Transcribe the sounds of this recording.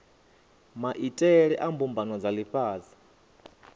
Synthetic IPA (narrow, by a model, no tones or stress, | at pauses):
maʔitʼɛɺɛʔambumbʱanwad͡zaliɸaːzi